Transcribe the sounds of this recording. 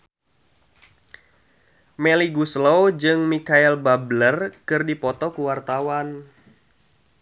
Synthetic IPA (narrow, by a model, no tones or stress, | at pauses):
mɛliɡuslowd͡ʒɨŋmikaɛlbablərkɨrdipɔt̪ɔkuwart̪awan